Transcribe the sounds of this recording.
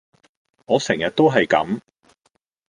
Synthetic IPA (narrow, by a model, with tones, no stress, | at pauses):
ŋɔː˨˧sɛ˨˩ŋjɐ˨t̚t̪o˥wɦɐ˨jkɐ̰˨˥m